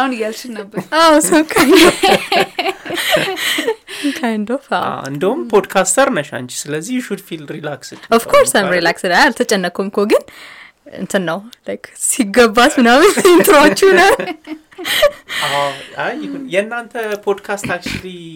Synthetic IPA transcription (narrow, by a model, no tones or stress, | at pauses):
ahunjalt͡ʃʰɪnnəbːəawsəwkʰaɲ | kʰajnd̪ofa̰a̰ɨ̰nd̪əhumpʰod̪kʰast̪ʰəɾnəʃa̰nt͡ʃi̥sɨləzːihjʃud̪filɾilaksɨd̪ʔɔfkʰoɾsajmɾilaksɨd̪ajalt̪ʰət͡ʃʼɛnːəkʰomkʰoɡɨn | ɨ̰nt̪ʰɨnːəwlajkʰsiɡəbːasmɨnamɪnt̪ʰʼɨɾat͡ʃːunəw | aajhunjɛnːant̪ʰəpʰod̪kʰast̪ak̚t͡ʃli